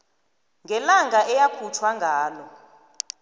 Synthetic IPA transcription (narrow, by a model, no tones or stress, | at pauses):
ŋɡʱɛlaŋɡʱaʔɛjakʰutʰwaŋɡʱaːlɔ